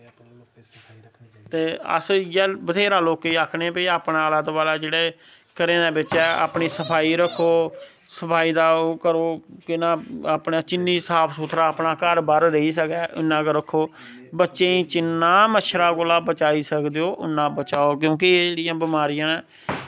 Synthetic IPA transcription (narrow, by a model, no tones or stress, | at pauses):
t̪eːə̰sjɛːbət̪ʰeːɾaːloːkiːakʰnẽːpəiːaːpnãːələd̪ʋaːlaːd͡ʒeːɽeː | kəɾẽːd̪eːbɪt͡ʃɛːa̰ːpɳiːsəpʰaːiːɾəkʰːoː | səpʰaːiːd̪aːkəɾoːkɪnãːaːpnaːt͡ʃɪnːiːsaːpʰsʊt̪ʰɾaːəːpnaːkəɾbəɾɾəiːsək̪ɛːʔɪnːãːkəɾəkʰːoː | bətːʃẽːĩːt͡ʃɪnːãːməʃʰɾaːkoːlaːbət͡ʃaːiːsəkd̪eːoːʔʊnːãːbət͡ʃaːoːk̬jõːk̬ɪeːd͡ʒeːɽɪjãːbɪmaːɾɪjãːɛː